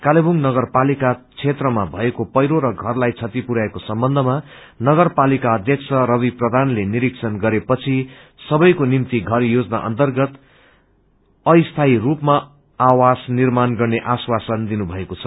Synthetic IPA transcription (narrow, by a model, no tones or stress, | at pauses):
kalebuŋnʌɡʌrpalikat͡sʰet̪rʌmabʱʌekopʌjɾoɾʌɡʱʌrlajt͡sʰʌt̪ipuɾaekosʌmbʌnd̪ʱʌma | nʌɡʌrpalikaʌd̪ʱjʌksʰʌɾʌbiprʌd̪ʱanleniɾiksʰʌnɡʌɾepʌt͡sʰi | sʌbʌjkonimt̪iɡʱʌrjod͡zna̰ʔʌ̰nt̪ʌrɡʌt̪ | ʌjst̪ʰairupma | awasnirmanɡʌrneʔaswasʌnd̪inubʱʌekot͡sʰʌ̥